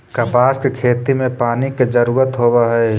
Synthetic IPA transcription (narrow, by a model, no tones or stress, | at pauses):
kəpaːskekʰeːt̪imẽpaːniked͡ʒəɾuːɾət̪ɦoːʋaɦɛː